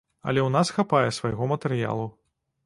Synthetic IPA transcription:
ɐ̰lʲɛwnasxapajɛsvajɣɔmɐt̪ɛɾɨja̰lˠu

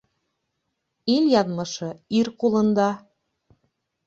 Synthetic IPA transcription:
ilʲjɑnmɤ̆ʃɤ̆irkulɤ̆nd̪ɑ

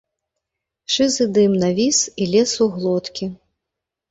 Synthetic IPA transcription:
ʂɨzɨd̪ɨmnavʲisilʲɛsuɣlˠɔt̪kʲi

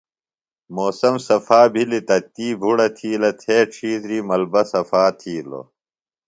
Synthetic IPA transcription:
moːsɐmsɐfaːbʱilit̪ɐt̪iːbʱuɽɐt̪ʰiːlɐt̪ʰeːʈ͡ʂʰiːzɾiːmɐlbɐsɐfaːt̪ʰiːlo̰

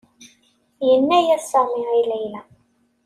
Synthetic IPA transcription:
jənːæjæsəʁmiilæjlæ

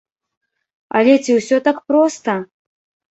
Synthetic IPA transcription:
a̰lʲɛt͡sʲiwsʲɔt̪akpɾɔst̪ɐ

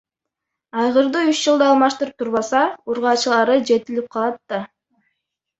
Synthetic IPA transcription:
ɑjʁɯɾd̪uyʃd͡ʒɯlˠd̪ɑːlˠmɑʃt̪ɯɾɯp̚t̪ʰuɾβɑsɑuɾʁɑːt͡ʃɯlˠɑɾɯd͡ʒe̞t̪ilip̚qʰɑlˠɑt̪ːɑ

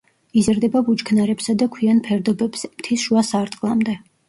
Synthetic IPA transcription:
izɾd̪ɛbabut͡ʃkʰnaɾɛpsad̪akʰwianpʰɛɾd̪ɔbɛbsmt̪ʰisʃuasaɾd̪qʼlˠamd̪ɛ

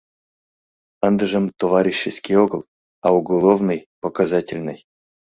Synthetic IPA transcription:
ənd̪əʐə̆mt̪ovaɾʲiɕːɪsʲkʲijoɡɤlˠ | auɡolˠovnɨjpokazatʲɪlʲnɨ̰j

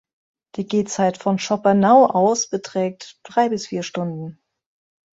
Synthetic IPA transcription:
d̥iːɡeːt͡saɪtfɔnʃɔpɐnaʊʔaʊsb̥ətʁ̥ɛːk̚td̥ʁaɪbɪsfiːɐʃtʊndn̩

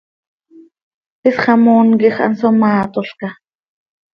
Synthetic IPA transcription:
pisχɑmuːnkiχa̰nsomɑːt̪oɬka

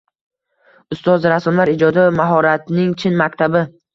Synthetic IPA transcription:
ʊst̪ɒzɾasɒmlaɾɪd͡ʒɒd̪amaɦɒɾat̪nɪŋt͡ʃʰɪnmakʲt̪ʰabɪ

